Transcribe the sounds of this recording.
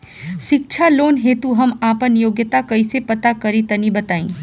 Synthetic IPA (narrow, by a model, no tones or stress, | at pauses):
ʃɪk̚t͡ʃʰaloːnɦeːt̪uɦɐmaːpənjoːɡjət̪akɐisepɐt̪akɐɾit̪ɐnĩbɐt̪aːḭ̃ː